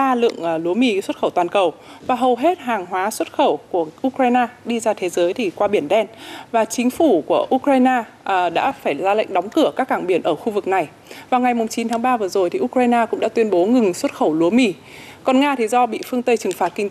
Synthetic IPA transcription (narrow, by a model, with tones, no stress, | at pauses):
aː˧lɨ̰˧˨əŋ˨˩lu˨˦əmi˧˩swə˦˥t̚xə˧˩wt̪waː˨˩nkə˨˩wvaː˨˩ɦə˨˩wɦe˦˥t̚ɦaː˨˩ŋɦwaː˨˦swə˦˥t̚xə˧˩wku˧˩əʔu˧kɾaː˧jnaː˧ɗi˧zaː˧t̪ʰe˨˦zəː˨˦jt̪ʰi˨˩kwaː˧ɓi˧˩ənɗɛ˧nvaː˨˩t͡ɕï˨˦ŋ̟fu˧˩ku˧˩əʔu˧kɾaː˧jnaː˧˩ | ɗa̰ː˧˥faː˧˩jlaː˧la̰˧˨jŋ̟ɗɔ˨˦wŋ͡mkɨ˧˩əkaː˦˥kːaː˧˩ŋɓi˧˩ənʔəː˧˩xu˧vɨ˨˩k̚na˨˩j | vaː˨˩wŋa˨˩jmʊ˨˩ŋ͡mt͡ɕi˨˦nt̪ʰaː˨˦ŋɓaː˧vɨ˨˩əzo˨˩jt̪ʰi˨˩ʔu˧kɾaː˧jnaː˧kʊ̰˧˥ŋ͡mɗa̰ː˧˥t̪wi˧ənɓo˨˦ŋɨ˨˩ŋswə˦˥t̚xə˧˩wlu˨˦əmi˧˩ | kɔ˨˩nŋaː˧t̪ʰi˨˩zɔ˧ɓḭ˧˨fɨ˧əŋt̪ə˧jt͡ɕɨ˨˩ŋfaː˨˩t̚kï˧ŋ̟˦